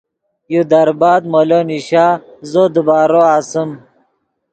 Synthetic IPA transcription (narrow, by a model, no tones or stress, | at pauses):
jud̪ɐɾbaːd̪moloniɕaːzod̪əbaːɾoaːsəm